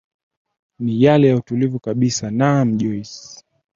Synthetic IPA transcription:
nijalɛjautulivukaɓisanam̩ʄɔjs

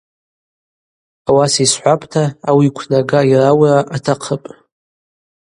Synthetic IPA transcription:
awasisħʷapʼtʰaːwiːkʷʰnaɡairawraʔatʰaqʰəpʼ

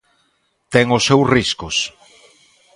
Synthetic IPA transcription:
t̪ɛŋʊsːewsriskʊs

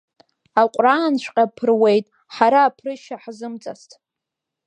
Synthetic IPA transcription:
aqʷʼraːnʃʷʰʼqʲʼapʰɨrwe̞jtʼ | ħaɾaːpʰrɨʃaħzɨmt͡sʼa̰stʰʼ

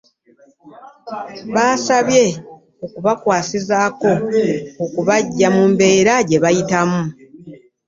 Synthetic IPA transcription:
βaːsaβje̞ | okuβakwaːsizaːko̞okuβaɟːamumbe̞ːɾaɟe̞βajitamu

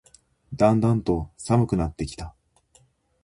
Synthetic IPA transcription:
d̪ãnd̪ãnt̪o̞samɯ̟kɯ̟nat̪ːe̞kʲi̥t̪a

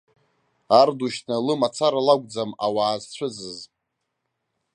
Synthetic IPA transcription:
arduʃtʰnalɨmat͡sʰaɾalaɡʷd͡zamawaːzt͡ɕʷʰʊzɨz

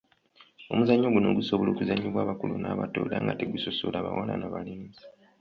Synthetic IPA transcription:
o̞muzaɲːoɡuno̞ɡusoβolo̞ːkuzaɲːiβwaːβakulunaːβato̰ːdaŋɡateɡusosolaːβa̰wananaβalinzi

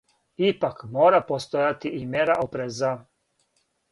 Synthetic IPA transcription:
ipakmoːɾapost̪ojat̪iʔimjeɾaʔopɾeza

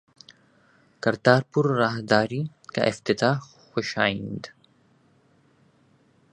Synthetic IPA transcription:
kɐɾt̪aːɾpʊɾːaːɦd̪aːɾiː | ka̰ʔɪft̪ɪt̪aː | xʊʃaːĩnd̪

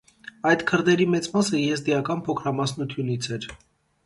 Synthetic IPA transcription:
ɑjt̪kʰəɾd̪ɛɾimɛt͡smɑsəjɛzd̪ijɑkɑnpʰɔkʰɾɑmɑsnut̪ʰjunit͡sʰɛɾ

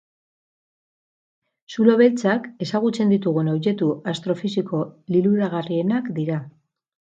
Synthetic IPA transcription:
sulo̞βe̞lt͡sake̞saɣut͡se̞nd̪it̪uɣ̞unowʎe̞t̪uʔast̪ɾo̞fisiko̞liluɾaɣ̞arie̞nakd̪iɾa

